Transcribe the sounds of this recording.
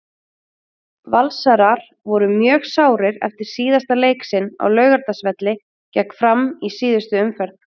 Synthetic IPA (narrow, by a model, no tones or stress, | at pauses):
valsaɾaɾ̥ | vɔɾʏmjœːɣsaːwɾɪɾɛ̰ft̪ɪɾ̥siːðast̪aleːjksɪnːa̰wlœːɥɣaɾt̪asvɛt̪lɪ | cɛkfɾamːisiːðʏst̪ʏʏmfɛɾt̪n